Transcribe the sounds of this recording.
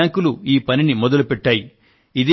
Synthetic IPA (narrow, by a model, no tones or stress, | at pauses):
aːŋkuluiːpɐninimɔd̪ɐlupɛʈːaːji | id̪e